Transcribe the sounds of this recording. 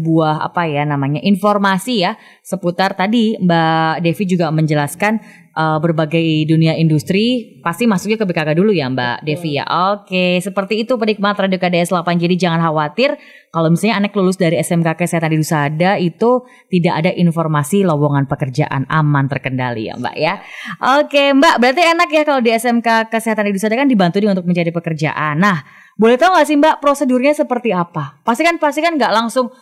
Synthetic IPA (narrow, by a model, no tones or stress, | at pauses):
buaɦa̰pajanamaɲaʔinformasija | səput̪art̪adimbadefid͡ʒuɡaməɲd͡ʒəlaskan | ʔəbərbaɡajduniaʔindust̪ɾipast̪imasuk̚ɲakəbekakadulujamba̰ʔdefija̰ʔokesəpərt̪iːt̪upərdikəmaat̪ɾadiokadaɛslapand͡ʒadid͡ʒaŋanɦawat̪ɪr | kalomisalɲaːnaklulʊsdaɾiɛsɛmkakəseɦat̪andidusadait̪u | t̪idaʔadaʔinformasilowoŋanpəkərd͡ʒa̰ʔa̰na̰mant̪ərkənda̰lḭa̰mba̰ʔjaʔokembaʔbəɾart̪ienakjahkalodiɛsɛmkakəseɦat̪andidusadakandibant̪udəŋnut̪ʊk̚məɲd͡ʒadipəkərd͡ʒa̰ʔanːah | bolɛht̪auŋasimbaʔpɾosədurɲasəpərt̪iapapast̪ikanpas̬t̪ikanŋɡaʔlaŋsʊŋ